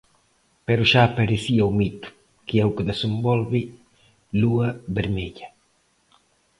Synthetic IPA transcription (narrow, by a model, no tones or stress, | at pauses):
pɛɾuʃaːpeɾeθiauwmit̪u̥ | kiɛwkeðesembɔlβi | luɐβeɾmɛʎɐ